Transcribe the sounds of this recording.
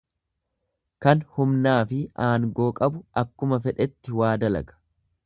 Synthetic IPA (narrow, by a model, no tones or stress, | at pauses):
kɐnhʊmnaːfɪaːŋɡo̞ːkʼɐbʊɐkːʊmɐfɛᶑɛt̪ːɪwaːd̪ɐlɐ̰ɡɐ̥